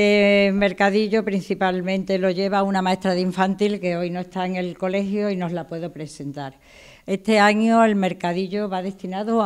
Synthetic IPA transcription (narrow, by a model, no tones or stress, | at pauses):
eme̞ɾkaðiʝopɾin̟θipalmẽnt̪e̞lo̞ʝeβ̞aunamae̞st̪ɾaðeiɱfant̪ilke̞o̞jno̞e̞st̪aeŋe̞lko̞le̞xjoino̞zlapwe̞ðo̞pɾe̞se̞nt̪aɾ | e̞t̪e̞aɲoe̞lme̞ɾkaðiʎo̞βaðe̞st̪inaðo